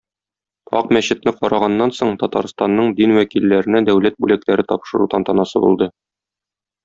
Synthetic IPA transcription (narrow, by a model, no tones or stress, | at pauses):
ɒ̰qmæɕɘ̆t̪nɘqɒɾɑʁɑnːɑnsoɴt̪ɒt̪ɑ̰ɾst̪ɑnːɤɴd̪inwækilːæɾɘ̆næd̪æwlæt̪̚bʉlæklæɾɘt̪ɒpʃɤ̆ɾud̪ɑnt̪ɑnɑsɤbṵlˠd̪ɤ